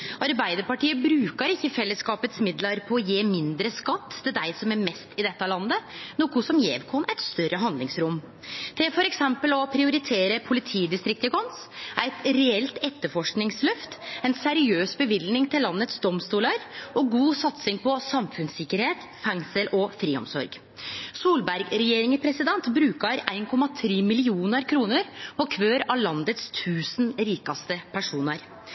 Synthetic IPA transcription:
ɑɾbæɪd̪əɾpɑʈiːəbɾʉːkəɾɪçːəfɛlːəskɑːpət̪smɪd̪ləɾpʰɔɔjeːmɪnd̪ɾəskɑt̪ːʰɪld̪æɪsɔmæɾmɛst̪ɪd̪ɛt̪ːəlɑnːənoːkʊsɔmjḛːʋkʰʊnæɪt̪st̪œɾəɦɑnd̪lɪŋsɾʊmː | t̪ʰɛfɔɾɛksɛmpəlɔpʰɾɪʊɾɪt̪ʰeːɾəpʰʊlɪt̪ʰiːd̪ɪst̪ɾɪk̚t̪əɡɑns | æɪt̪ɾɛɛlt̪ɛt̪ːəɾfɔʂknɪŋslœft̪ɛnsæɾɪøːsbəʋɪlnɪŋt̪ʰɪlːɑnːət̪sd̪ɔmst̪uːlɑɾɔɡuːsɑt̪sɪŋpʰɔsɑmfʉnsɪkːəɾheːt̪ | fɛŋsəlʔɔfɾiːɔ̰msɔ̰ɾɡ | suːlbæɾɡɾɛjeːɾɪŋəpʰɾɛsɪd̪ɛnt̪bɾʉːkɑɾæ̰ɪnkʰɔmɑt̪ʰɾeːmɪlɪuːnəɾkʰɾuːnəɾɔkʰʋøːɾɑʋlɑnd̪ət̪st̪ʰʉːsnɾiːkɑst̪əpʰæʂuːnɑɾ

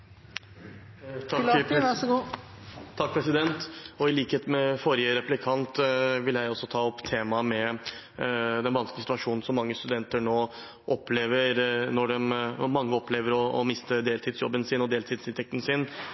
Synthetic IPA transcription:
t̪ʰɑkæɡuː | t̪ʰɑk̚ːpʰɾɛsɪd̪ɛnt̪ɔɪliːkəheːt̪mɛfɔɾɪjəɾɛplɪkʰɑnt̪ʋɪljæɪɔsːɔt̪ʰɑːɔpːt̪ʰeːmɑmɛ | d̪ɛnʋɑnskəsɪ̥t̪ʉɑʂuːnn̩sɔmːɑŋːəst̪ʉd̪ɛnt̪əɳoː | ʔɔpʰːleːʋəɾnɔɖɛmmɑŋːəɔpʰleːʋəɾɔɔ̰mɪst̪əd̪eːlt̪ʰɪːd̪sjɔ̰bːənsɪːnɔd̪eːlt̪ʰɪːd̪sɪnt̪ʰɛk̚t̪n̩sɪn

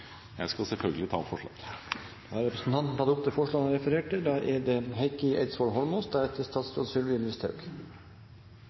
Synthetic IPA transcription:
jæ̰ɪskɑlsɛlfœlɡəlɪt̪ʰɑ̰ːfɔʂɭɑ̰ːɡ | d̪̥ɑːhæɾɛpɾəsn̩t̪ʰɑnt̪n̩t̪ɑt̪ːʊp̚d̪efɔʂɭɑːɡənɾɛfəɾeːʈəɖ̪ɑːʔɛɖ̪eɦæɪkəʔæ̰ɪt̪sɔːlɦɔlmʊsd̪æɾɛt̪ʰːəst̪ɑːt̪sɾɔ̰d̪sʏlʋɪlʋɪst̪ʰɑ̰ʉk

